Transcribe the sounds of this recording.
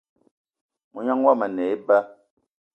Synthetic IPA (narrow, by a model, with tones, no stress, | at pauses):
mu˨ɲa˦ŋwa˦˨ma˨nɛ˨˦i˦ba˦